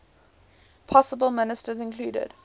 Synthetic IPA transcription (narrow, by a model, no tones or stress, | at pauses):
pʰɔsəbəlˠmɪnɪstəzɪ̃nkʰl̥uːdə̰d̥